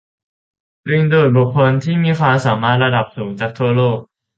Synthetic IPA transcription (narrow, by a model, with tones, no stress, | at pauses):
ɾi˧˩ŋduː˨˩t̪̚bu˨˩k̚ʰːo˧nt̪ʰiː˥˩miː˧kʰwaː˧msaː˩˦maː˥˩t̪̚ɾa˧da˨˩p̚suː˩˦ŋt͡ɕaː˨˩k̚t̪ʰu˥˩ɐloː˥˩k̚